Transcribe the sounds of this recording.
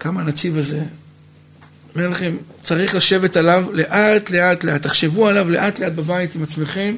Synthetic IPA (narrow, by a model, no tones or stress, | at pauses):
kamanat͡sivaze̞ | melaχe̞mt͡saʁiχlaʃe̞ve̞talavle̞ʔat̪le̞ʔat̪leat̪ːaχʃe̞vualavle̞ʔatle̞at̚babaitimat͡smeχem